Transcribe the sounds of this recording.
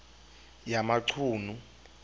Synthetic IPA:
jamaǀʰuːnu

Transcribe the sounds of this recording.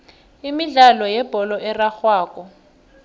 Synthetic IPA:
imiɮalɔjɛb̥ʱɔlɔʔɛraxwaːkɔ

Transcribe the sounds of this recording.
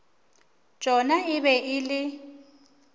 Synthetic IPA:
d̥ʒ̥ʱɔnaɪβɛʔɪlɪ

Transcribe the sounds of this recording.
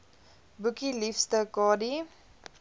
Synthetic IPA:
bukilifstəkɑːdi

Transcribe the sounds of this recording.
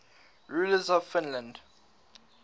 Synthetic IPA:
ɹuləzɔvfɪ̃nlə̃nd

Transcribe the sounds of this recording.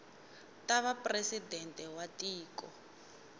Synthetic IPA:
tʼaβapresidɛntʼɛwatʼiːkɔ

